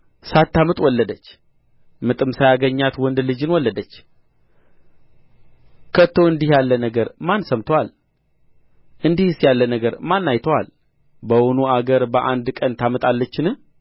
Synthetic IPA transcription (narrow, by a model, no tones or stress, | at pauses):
sat̪ːamɨt̪ʼwɔlːəd̪ət͡ʃː | mɨt̪ʼɨmsajaɡəɲːat̪wɔnd̪lɨd͡ʒɨnwɔlːəd̪ət͡ʃː | kʰət̪ʰːo̞ɨnd̪ihjalːənəɡəɾmansəmt̪ʰəwal | ʔɨnd̪ihsjalːənəɡəɾmanːajt̪ʰəwal | bəwonuaɡəɾbəʔand̪kʼənt̪ʰamət̪ʼalːət͡ʃːɪnɨh